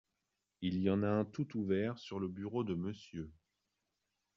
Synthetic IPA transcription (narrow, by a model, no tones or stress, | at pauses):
ilijɑ̃naɛ̃t̪ut̪uvɛʁsyʁləbyʁod̪əməsjø